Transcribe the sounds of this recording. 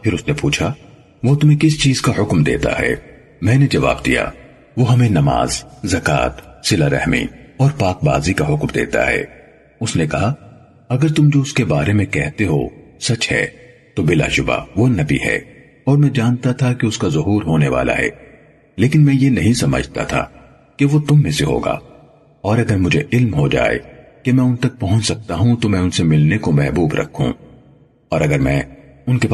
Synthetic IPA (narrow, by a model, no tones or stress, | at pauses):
pʰɪɾʊsnepuːt͡ʃʰa | ʋot̪ʊmẽkɪst͡ʃiːzkaɦʊkmd̪ḛːt̪a̰ɦɛ̰ː | mɛ̃ːned͡ʒɐʋa̰ːbd̪ḭja̰ː | ʋoɦɐmẽnɐma̰ːzzɐka̰ːt̪sɪlaɾɛ̰ɦmḭɔːɾpaːk̚ba̰ːzikaɦʊkmd̪ḛːt̪a̰ɦɛ̰ː | ʊsnekɐɦa | ɐɡəɾt̪ʊmd͡ʒoʊskebaːɾemẽkɛɦt̪eɦo̰sɐt͡ʃɦɛ̰ | t̪obɪla̰ʃʊba̰ʋonɐbḭɦɛ̰ː | ɔːɾmɛ̃d͡ʒaːnt̪at̪ʰakeʊskazɐɦuːɾɦoːneʋa̰ːlʔa̰ɦɛ̰ː | leːkɪnmɛ̃ːjenɐɦĩsɐmə̰d͡ʒʱt̪a̰t̪ʰa̰ | keʋot̪ʊmːẽseɦo̰ːɡa̰ː | ɔːɾɐɡəɾmʊd͡ʒʱeʔɪlmɦod͡ʒa̰ːḛkemɛ̃ːʊnt̪ɐk̚pɐɦʊ̃t͡ʃsɐk̚t̪aɦũt̪omɛ̃ːʊnsemɪlnekomɛɦbuːbɾʔɐ̰kʰːṵ̃ | ɔːɾɐɡəɾmɛ̰̃ː | ʊnkep